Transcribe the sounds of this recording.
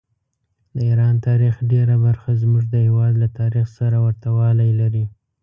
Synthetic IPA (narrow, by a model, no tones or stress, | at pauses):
d̪əiɾɑnt̪ɑɾixɖeɾabaɾxazmuʒd̪əhewɑd̪lat̪ɑɾixsaɾawaɾt̪awɑlajlaɾi